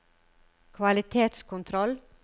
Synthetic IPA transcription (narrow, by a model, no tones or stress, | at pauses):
kʰʋɑlɪt̪ʰeːt̪skʰʊnt̪ʰɾɔl